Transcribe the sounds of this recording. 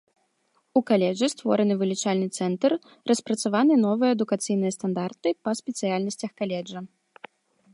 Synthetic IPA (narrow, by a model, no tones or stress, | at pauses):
ukalʲɛʐɨst̪vɔɾɐnɨvɨlʲit͡ʂalʲnɨt̪sɛnt̪ɐr | rʔɐspɾɐt̪savanɨnɔvɨjɐːd̪ukat̪sɨjnɨjɐst̪and̪art̪ɨpɐsʲpʲɛt̪sɨjalʲnɐsʲt͡sʲɐxkalʲɛd͡ʐɐ